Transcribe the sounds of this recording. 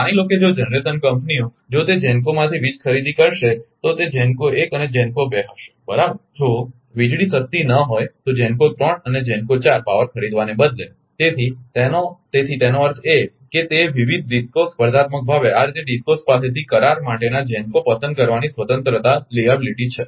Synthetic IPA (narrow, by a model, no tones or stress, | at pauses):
ailoked͡ʒod͡ʒənɾet̪ənkəmpnio | d͡ʒot̪ed͡ʒɛnk̬omãt̪ʰiʋit͡ʃkʰəɾid̪ikəɾʃet̪ot̪ed͡ʒɛnkoekəned͡ʒɛnkobeɦəʃe̥bəɾabəɾd͡ʒo | ʋid͡ʒɽisəst̪inəɦojt̪od͡ʒɛnkot̪ɾəɳəned͡ʒɛ̃nkot͡ʃaɾpaʋəɾkʰəɾid̪ʋanebəd̪le | t̪et̪ʰit̪enot̪et̪ʰit̪enoəɾt̪ʰe | ket̪eʋiʋid̪̚ʱɖiskospəɾd̪ʱat̪̚mək̚bʱaʋeaɾd͡ʒeɖiskospaset̪ʰikəɾaɾmaʈenad͡ʒɛnkopəsənkəɾʋanisʋət̪ənt̪ɾət̪aliabiliʈit͡ʃʰe